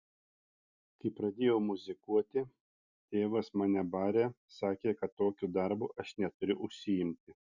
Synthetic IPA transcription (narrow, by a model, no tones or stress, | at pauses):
t̪ɐɪpɾɐd̪ʲeːjoʊmʊzʲɪkuɔt̪ʲɪ | t̪ʲeːʋɐsmɑːnʲɛbɑːɾʲeː | sɑːkʲeːkɐt̪ːoːkʲuːd̪ɐɾbuːʔɐʃnʲɛt̪ʊɾʲʊʔʊʃʲsʲɪjɪmʲt̪ʲɪ